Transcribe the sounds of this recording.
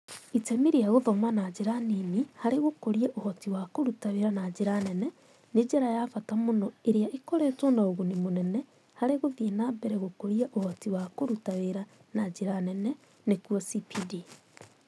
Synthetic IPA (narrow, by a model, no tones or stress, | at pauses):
itɛmiɾiaɣoðɔmanad͡ʒeɾanimihaɾeɣokoɾiaʔohɔtiwakoɾutaweɾanad͡ʒeɾanɛnɛ | ned͡ʒɛɾajaːfatamonɔeɾjaʔekoɾɛtɔnaoɣonimonɛnɛ | haɾeɣoðienabɛɾɛɣokoɾiaʔohɔtiwakoɾutaweɾa | nad͡ʑeɾanɛnɛ | nekuɔsipidi